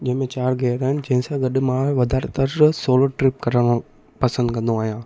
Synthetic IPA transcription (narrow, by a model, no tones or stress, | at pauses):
d͡ʒemet͡ʃaːɾɡeːɾɐnd͡ʒensaɡɐɖɯmaːɾʋɐd̪aːɾt̪ɐsoːloːʈɾip̚kɐɾɐmɐ | pɐsɐnd̪kɐnd̪ũaːjãː